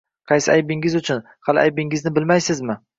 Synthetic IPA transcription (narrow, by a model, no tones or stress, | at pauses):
qʰɑjsɪajbɪŋɪzʊt͡ʃʰʊn | hɑlɪʔa̰jbɪŋɪznɪbɪlmajsɪzmɪ